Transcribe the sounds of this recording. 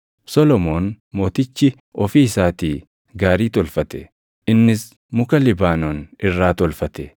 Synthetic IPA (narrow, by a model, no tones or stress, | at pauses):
sɔlɔmoːn | mo̞ːt̪ɪt͡ʃːɪ | ɔfiːsaːt̪iː | ɡaːɾiːt̪ɔlfɐt̪ɛ̰ | ʔɪnːɪs | mʊkɐlɪbaːnɔnɪrːaːt̪ɔlfɐt̪ɛ